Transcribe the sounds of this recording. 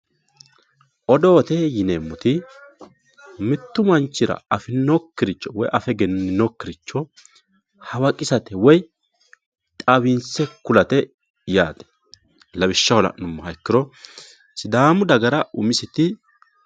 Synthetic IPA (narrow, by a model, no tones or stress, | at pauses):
ʔɔd̪o̞ːt̪ɛjɪneːmːʊt̪ɪ | mɪt̪ːʊmɐnt͡ʃːɪɾɐ̰ɐfɪnokːɪɾɪt͡ʃːɔwɔjʔɐfɛɡɛnɪnokːɪɾɪt͡ʃːɔ | hɐwɐkʼɪsɐt̪ɛwɔj | t̪ʼɐbɪnsɛkʊlɐt̪ɛ | jaːd̪ɛ̥ | lɐbɪʃːɐwɔlɐ̰ʔnʊmːɐhɐjkːɪɾɔ | sɪd̪aːmʊd̪ɐɡɐɾɐʔʊmɪsɛt̪ɪ